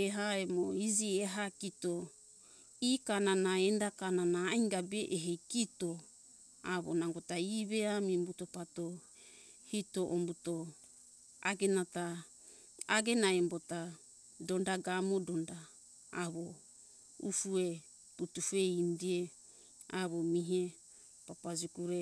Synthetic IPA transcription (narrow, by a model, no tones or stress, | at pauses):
eɦaemoid͡ʒieɦakito | ikananaendakananaːjŋɡabeʔeɦejkito | aβo̰naŋɡotaiβeamimbutopato | hitoʔombuto | a̰ɡenata | aɡenaembota | dondaɡamodondaː | βo | ufue | putufeindie | aβomiɦe | papad͡ʒikuɾe